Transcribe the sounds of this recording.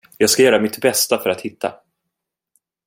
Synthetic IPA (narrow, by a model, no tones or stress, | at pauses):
jɑːɡskajœːɾamɪt̪bɛst̪afœɾat̪hɪt̪ʰːa̰